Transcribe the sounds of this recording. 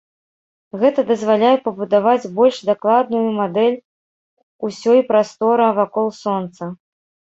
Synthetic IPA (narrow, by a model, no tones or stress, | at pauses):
ɣɛt̪ɐd̪ɐzvalʲajɛpɐbud̪avad͡zʲbɔlʲʂd̪aklˠad̪nujumad̪ɛlʲ | usʲɔjpɾast̪ɔɾɐvakɔlˠsɔnt̪sɐ